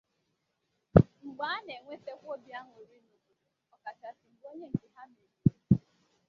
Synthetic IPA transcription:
ŋ͡m̩˨ɡ͡ba˦a˦ne˨ŋʷe˦se˦kʷo˦bja˦ŋ˨o˨ɾi˦no˨ko˨e˨ | ɔ˨ka˨ta˨sɪ˨ŋ͡m̩˨ɡ͡bo˦ɲe˦ŋ̩˨dɪ˨ɦa˦m˦e˨ɾi˨˦

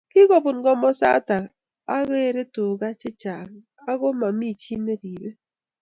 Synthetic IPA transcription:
ki˦ko˨bʊ˨nɡɔ˦mɔ˦sa̰˦ta˨k | a˦ɣe˦˨ɾe˦toː˨ɣa˦t͡ʃɪ˦t͡ʃa˨ŋ | a˦ɣo˦ma˨mi˦˨t͡ʃi˦ne˦di˨be˦

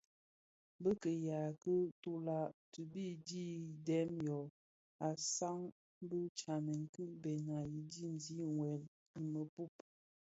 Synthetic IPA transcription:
bə˦kə˨ja˨kə˦to˦la˦tə˨bi˦di˦dɛ˦mjɔ˨ | a˨sa˦ŋ˦ | bə˦t͡ʃa˨nə˨ŋ̩˨kɨ˦ʔbe˨na˨ji˨di˦˨n˨zi˦ŋwɛ˨l | i˨mə˨pu˦˨p

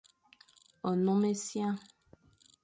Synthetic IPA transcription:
ɔ˨nɔ̃˦me˦sjã˦

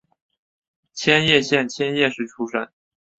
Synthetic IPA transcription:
t͡ɕʰjɛ˥njɛ˥˧ɕjɛ˥˩nt͡ɕʰjɛ˥njɛ˥˧ʂɻ̩˥˩ʈ͡ʂʰu˥ʂə˥˩n

